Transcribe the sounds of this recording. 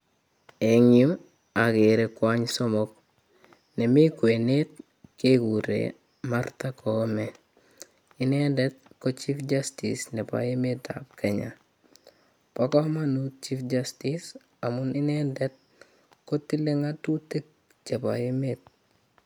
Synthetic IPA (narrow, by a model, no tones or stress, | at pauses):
eŋiu | akeɾekwaɲsɔmɔk̚ | nɛmikwenet̚ | kekuɾḛ | maɾtakʰɔmɛ | inɛndɛt̚kot͡ʃifd͡ʒastḭsnɛpa̰jemeta̰p̚kʰɛɲa̰ | pakɔmanut͡ʃifd͡ʒastis | amuninɛndɛt̚ | kotileŋatutek̚ | t͡ʃepa̰jemet̚